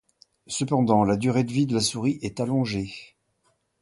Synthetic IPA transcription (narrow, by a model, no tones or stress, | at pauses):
səpɑ̃d̪ɑ̃lad̪yʁed̪əvid̪əlasuʁiʔɛt̪alɔ̃ʒe